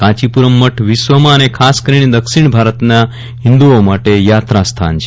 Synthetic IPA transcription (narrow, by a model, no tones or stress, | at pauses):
kãt͡ɕipuɾəmːəʈʰʋisʋəmaːnekʰaskəɾined̪əkʃiɳ̃bʱaɾət̪na | ɦind̪uomaʈejat̪ɾast̪ʰa̰nt͡ʃʰe